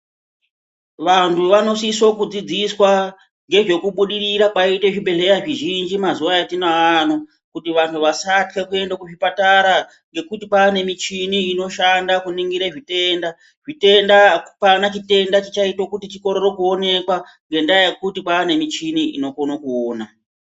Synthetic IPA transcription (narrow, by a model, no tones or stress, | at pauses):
ʋantuʋano̞siso̞kud͡zid͡ziswa | ŋɡe̞ʐe̞kuɓuɗiriɾakwaiteʐiɓe̞ɬe̞ɾaʐiʒind͡ʒimazuʋajatinaano | kutiʋantʰuʋasatke̞kue̞ndakuʐipataɾa | ŋɡe̞kutipaːne̞mit͡ʃiniːno̞ʃandakuniŋɡiɾeʐite̞nda | ʐite̞ndapanat͡ʃite̞ndat͡ʃit͡ʃaitokutit͡ʃiko̞ɾo̞ɾo̞kuo̞ne̞kwa | ŋɡe̞ndajekutipaːne̞mit͡ʃiniḭno̞konokuoːna